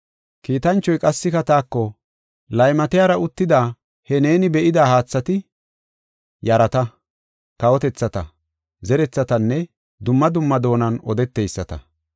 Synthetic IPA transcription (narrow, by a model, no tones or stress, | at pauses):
kiːt̪ɐnt͡ʃːɔjkʼɐsːɪkɐt̪aːkːɔ | lɐjmɐt̪ɪjaːɾɐʊt̪ːɪd̪aː | hɛne̞ːnɪbɛʔɪd̪aːhaːt͡sːɐt̪ɪ | jɐɾɐt̪ɐ | kɐwɔt̪ɛt͡sːɐt̪ɐ | zɛɾɛt͡sːɐt̪ɐnːɛ | d̪ʊmːɐd̪ʊmːɐd̪o̞ːnɐnɔd̪ɛt̪ːejsːɐt̪ɐ̰